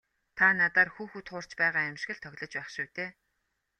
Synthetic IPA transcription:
t̪ʰanat̪aːrxuːxut̪χʊːr̥t͡ɕpæːʁaːæmʃ̆ɣɘ̆ɮt̪ʰœɣʲɮɞ̆t͡ɕpæːχʃuwt̪eː

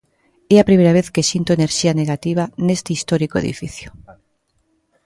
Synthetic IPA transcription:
eapɾimejɾaβ̞eθkesint̪oeneɾʃianeɣat̪iβ̞anest̪eist̪ɔɾikoḛðḭfḭθjo̥

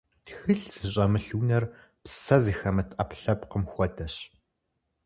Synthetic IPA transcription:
xɨɬsɨɕ̬ʼɐmɨɬwunɐr | psɐziːxɐmɨtʰʔɐpɬɐpqəmxʷɔtʰɐɕ

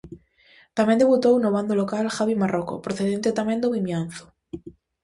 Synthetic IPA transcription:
t̪amend̪eβut̪ownoβand̪olokalxaβimaroko̰pɾoθeðent̪et̪amẽnd̪oβimjanθo̥

